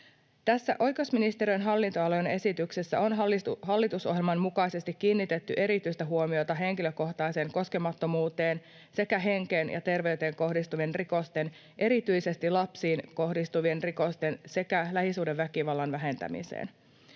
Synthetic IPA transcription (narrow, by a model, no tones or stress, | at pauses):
t̪æsːæʔo̞jkeusminist̪eɾyjnɦɑlːint̪oɑlojene̞sit̪yksesːæ̰o̞nɦɑlːit̪uso̰ɦjelmɑmmukɑisest̪ikːiːnːit̪e̞t̪ːyʔe̞ɾit̪yist̪æɦuomiot̪ɑɦe̞ŋkiløko̞ht̪ɑise̞ːŋko̞ske̞mɑt̪ːo̞muːt̪e̞ːn | se̞kæɦe̞ŋkenjɑ̰t̪e̞rʋe̞yt̪eːŋko̞hdist̪uʋie̞nriko̞st̪e̞n | ʔe̞ɾit̪yjse̞st̪ilɑpsiːnko̞hdist̪uʋie̞nriko̞st̪e̞nse̞kælæhisuːdeʋʋækiʋɑlːɑnʋæɦe̞nt̪æ̰mḭsḛːn